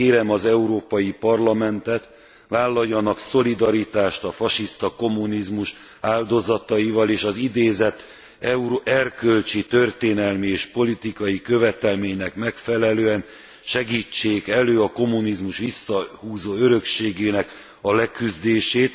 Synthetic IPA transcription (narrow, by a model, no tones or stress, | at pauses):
eːɾɛmɒzɛuɾoːpɒjipɒrlɒmɛnt̪ɛt̪ | vaːlːɒjːɒnɒkso̞lid̪ɒɾit̪aːʃt̪ɒfɒʃist̪ɒko̞munizmuʃ | aːld̪o̞zɒt̪ɒjivɒleːʃɒzid̪eːzɛt̪ː | ɛuɾʔɛrkø̞lt͡ʃit̪ø̞rt̪eːnɛlmieːʃpo̞lit̪ikɒjikø̞vɛt̪ɛlmeːɲnɛkmɛkfɛlɛløːɛn | ʃɛɡiːt͡ʃːeːkɛløːɒko̞mːunizmuʃʋisːɒhuːzoːøɾø̞kʃeːɡeːnɛk | ɒlɛkyzd̪eːʃeːt̪